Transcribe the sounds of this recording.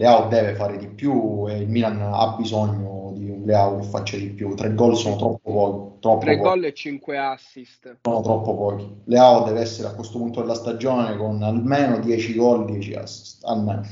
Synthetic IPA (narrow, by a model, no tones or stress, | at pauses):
leaod̪ɛːvefaːɾed̪ipjueilmiːlana̰bizɔɲːod̪iunleaokefːa̰t͡ʃːad̪ipjut̪ːɾʔɛɡːɔlːsoːnot̪ɾɔpːopɔːkit̪ɾɔp̪ːɾopɔɡɔlːɛt͡ʃːiŋkweasːist̪soːnot̪ɾɔpːopɔːkileaod̪ɛːveɛsːeɾeakːwest̪opunt̪od̪elːast̪ad͡ʒːoːnekonalmeːnod̪jɛːt͡ʃiɡɔlːd̪jɛt͡ʃḭa̰sːi̥st̪a̰lmḛːno